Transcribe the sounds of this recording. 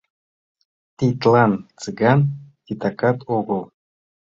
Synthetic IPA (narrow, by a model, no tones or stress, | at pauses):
t̪it̪lˠɑnt͡sɨɡankit̪akɑt̪oɡɤlˠ